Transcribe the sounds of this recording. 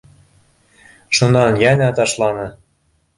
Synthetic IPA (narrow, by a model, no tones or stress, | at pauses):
ʃɤnɑnjænʲæt̪ɑʃlɑnɤ̆